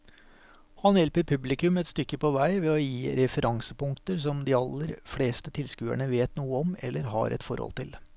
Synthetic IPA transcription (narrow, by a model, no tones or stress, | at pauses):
hɑnjɛlpəɾpʰʉblɪkʉmɛt̪st̪ʏkːəpɔʋæɪʋɛɔjiːɾɛfəɾʔɑŋsəpʊŋkt̪əɾs̬ɔmd̪ɪɑlːəɾfleːst̪ət̪ʰɪlskʉːæ̰ɳəʋeːt̪nuːəɔmɛ̰lːəɾɦɑ̰ɾʔɛ̰t̪fɔɾhɔ̰lt̪ɪl